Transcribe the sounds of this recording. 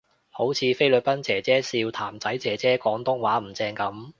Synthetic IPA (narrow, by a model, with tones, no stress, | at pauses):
ho˨˥wt͡sʰiː˨˧fe˥jlɵ˨˧t̚pɐ˥nt͡sɛː˨˩t͡sɛː˥siː˧wt̪ʰaː˨˩mt͡sɐ˨˥jt͡sɛː˨˩t͡sɛː˥kɔː˨˥ŋt̪ʊ˥ŋwaː˨˥m̩˨˩t͡sɛː˧ŋkɐ˨˥m